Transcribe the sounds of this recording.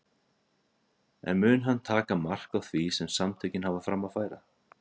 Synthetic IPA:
ɛ̰nmʏːnɦanːt̪ʰaːkamar̥kawθvisɛmsamt̪ʰeːjcɪnhavafɾamafaːjɾa

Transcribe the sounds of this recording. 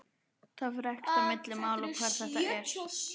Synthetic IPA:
θaðfɾɛhk̪amɪt̪lɪmaːwlɔkʰvaːɾ̥θɛht̪ajɛɾ̥

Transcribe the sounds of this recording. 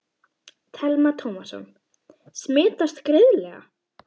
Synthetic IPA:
t̪ʰɛlmat̪ʰowmasɔ̰n | smɪːt̪ast̪kɾɪðlɛːɣa̰

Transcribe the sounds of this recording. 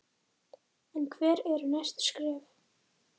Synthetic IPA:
ɛnkʰvɛːɾɛɾʏnajst̪skɾɪːv

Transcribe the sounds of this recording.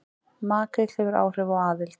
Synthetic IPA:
maːkɪl̥hɛvʏɾa̰ːwr̥ɛvawaːðɪlt̪

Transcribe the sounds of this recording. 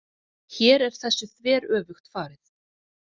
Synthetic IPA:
çɛːɾɛɾ̥θɛsːʏθvɛːɾœːvʏxt̪faːɾɪθ

